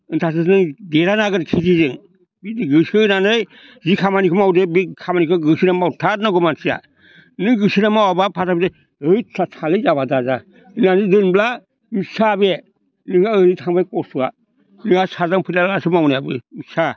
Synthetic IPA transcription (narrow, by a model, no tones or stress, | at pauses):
ɯntʰas̬ɯsnɯŋdeɾanaɡɯɾkʰizizɯŋ | bidɡɯsɯnanɯj | zikʰamanikʰɯmawdebikʰamanikʰɯɡɯsiɾamawtʰat̚naɡɔmansia̰ | nɯŋɡɯsiɾamawabapʰatapʰde | ɯjsʰatʰalɯjzabadaza | nanɯdɯnbla | misabe | nɯŋaɯɾitʰaŋbajkɔsua | nɯŋasazaŋpʰɯlalasɯmawnijabɯmisa